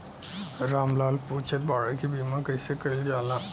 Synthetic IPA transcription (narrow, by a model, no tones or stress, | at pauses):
ɾaːmlaːlput͡ʃʰət̪̚baːɽəkibiːmãkəɪsekɐɾild͡ʒaːlãː